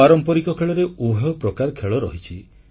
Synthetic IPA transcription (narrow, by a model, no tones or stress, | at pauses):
aɾɔmpɔɾikɔkʰeɭɔɾeuɦewpɾɔkaɾkʰeɭɔɾɔ̰ɦit͡ʃʰi